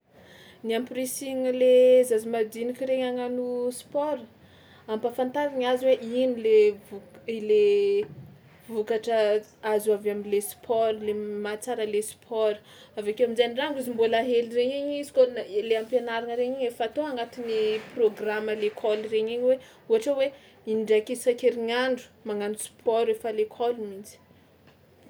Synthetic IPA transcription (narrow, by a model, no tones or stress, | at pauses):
niampirisiŋlezazimad̪inikʲiɾeɲaŋanuspɔɾ | ampafant̪aɾiɲazweʔinilevuile | vukaʈ͡ʂəazavaminlespʰɔɾlemat͡saɾəlespʰɔɾ | avakewamizaniɖ͡ʐaŋɡuzimbolaɦelireɲiɲizi̥konaeleampenaɾanəɾeɲiɲefat̪oaŋɡat̪iniproɡraməlekʰɔlireɲiɲwe | uaʈ͡ʂewe | inɳɖ͡ʐakisakeɾiɲaɳɖ͡ʐu̥maŋanuspʰɔɾefalekʰɔlimint͡si̥